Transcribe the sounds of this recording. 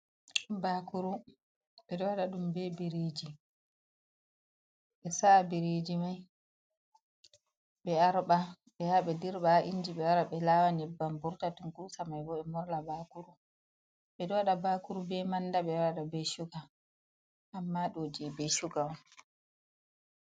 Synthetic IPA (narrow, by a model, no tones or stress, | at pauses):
bakuɾu | ɓɛɗɔwaɗaɗumbɛbiɾed͡ʒi | ɓɛsabiɾed͡ʒimaj | ɓɛaɾɓa | ɓɛjaɓɛdiɾɓaʔind͡ʒiɓɛwaɾaɓɛlaːwanɛbːambuɾtatunkusamajbɔɛmɔɾlabakuɾu | ɓɛɗɔwaɗabakuɾubɛmandaɓɛwaɗabɛʃuɡa | ʔamːaɗoːd͡ʒibɛʃuɡam